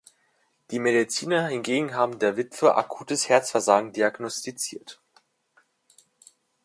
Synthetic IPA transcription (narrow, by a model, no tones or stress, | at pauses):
d̥iːmedit͡siːnɐhɪnɡeːɡŋ̩ɦaːbm̩deːɐvɪtfəʔa̰kʰuːtəshɛɐt͡sfɛɐzaːɡŋ̩diaɡnɔstit͡sḭːɐt